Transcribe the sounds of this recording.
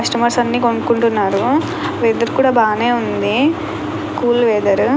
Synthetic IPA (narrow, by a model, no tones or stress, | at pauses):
ɐʂʈɐmɐɾsɐnːiːkoɳɖukuɳʈunːaːɾu | ʋɛːd̪ɐɾukuːɽaːbaːne̞ːund̪i | kuːlʋɛːd̪ɐɾu